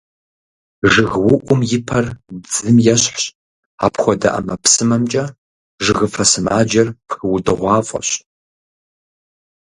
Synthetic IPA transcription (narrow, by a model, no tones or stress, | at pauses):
ʒɨɣwʊʔʷʼʊmjɪpʰɐrbd͡zɨmjɛɕħɕ | aːpxʷɔdɐ̰ʔɐ̰mɐpsɨmɐmt͡ʃʼɐ | ʒɨɣɨfɐsɨma̰ːd͡ʒɐrpxɨwʊdɨʁʷɑːfʼɐ̰ɕ